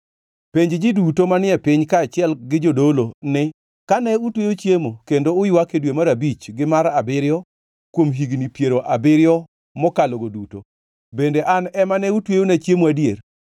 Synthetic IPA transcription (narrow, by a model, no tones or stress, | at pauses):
peɲd͡ʒd͡ʒɪdutomanɪɛpɪɲkaːt͡ʃɪɛlɡɪd͡ʒodolonɪ | kanɛutwejot͡ʃjemokendoʊjwakedwemaɾabit͡ʃɡɪmaɾabɪɾjɔ | kwomɦiɡnipjeɾoʔabɪɾjɔ | mɔkaloɡoduto | bendeʔanɛmanɛutwejonet͡ʃjemwadjer